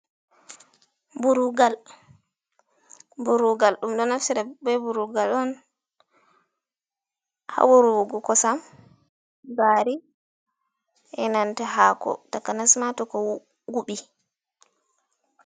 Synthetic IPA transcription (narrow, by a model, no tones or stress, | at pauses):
buɾuɡal | buɾuɡalɗumɗɔnafsiɾɛbɛbuɾuɡalɔn | ha̰wuɾuwuɡɔkɔsam | baːɾi | ʔɛnantaɦakɔ̰takːanasmatɔkɔw | ɡuɓi